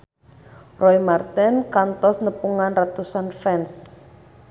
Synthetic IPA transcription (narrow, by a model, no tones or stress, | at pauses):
rɔimart̪ɛnkant̪ɔsnəpuŋanrat̪usanfɛns